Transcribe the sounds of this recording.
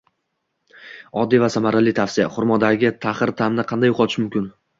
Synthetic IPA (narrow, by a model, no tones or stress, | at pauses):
ɒd̪ːivasamaɾalijt̪ʰafsija̰χʊɾmɒd̪aɡʲɪt̪ʰaχɪɾt̪ʰamnɪqʰɑnd̪ajʊqʰɒt̪ʰɪ̥ʃmʊmkʲɪn